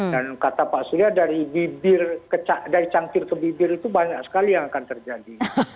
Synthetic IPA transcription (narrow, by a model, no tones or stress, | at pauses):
ddankat̪apaʔsuliadaɾibibɪrkət͡ʃadaɾit͡ʃaŋkɪrkəbibɪɾit̪ubaɦaɲaʔsə̥kalijaŋakant̪ərd͡ʒadi